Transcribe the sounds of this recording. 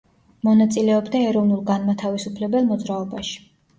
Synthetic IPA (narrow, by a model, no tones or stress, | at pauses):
mɔnat̪sʼilɛɔbd̪aɛɾɔvnulˠɡanmat̪ʰavisupʰlɛbɛlˠmɔd̪zɾaɔbaʃi̥